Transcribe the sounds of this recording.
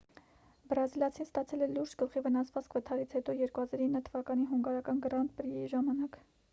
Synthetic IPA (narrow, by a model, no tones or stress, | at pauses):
bɾɑzilɑt͡sʰinst̪ɑt͡sʰɛlɛluɾd͡ʒɡəlχivənɑsvɑt͡skvət̪ʰɑɾit͡sʰhɛt̪ɔjɛɾkuhɑzɑɾinːət̪ʰəvɑkɑniɦuŋɡɑɾɑkɑnɡɾɑnt̪̚pəɾiiʒɑmɑnɑk